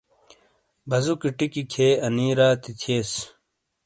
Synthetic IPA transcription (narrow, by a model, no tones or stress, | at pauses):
bɐzukiʈikikʰeːɐniːɾaːt̪it̪ʰeːs